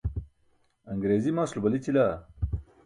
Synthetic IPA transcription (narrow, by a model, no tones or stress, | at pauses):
ɐŋɡɾeːzimaːslubɐlit͡ɕilaː